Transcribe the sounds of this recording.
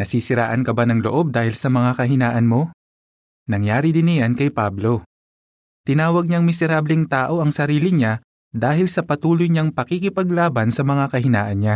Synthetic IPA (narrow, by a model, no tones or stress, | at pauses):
nɐsisɪɾa̰ːʔɐnkɐbanɐŋlo̰ʔo̞b̚d̪aːhɪlsɐmɐŋakɐɦɪnaːʔɐnmo̞ | nɐŋjaːɾɪd̪ɪnɪjankɐjpablo̞ | t̪ɪnaːwɐɡ̚ɲaŋmɪsɛɾaːblɪŋt̪aːʔo̞ʔɐŋsɐɾiːlɪɲa | d̪aːɦɪlsɐpɐt̪uːlojɲaŋpɐkikɪpɐɡlaːbɐnsɐmɐŋakɐhɪna̰ːʔɐnɲa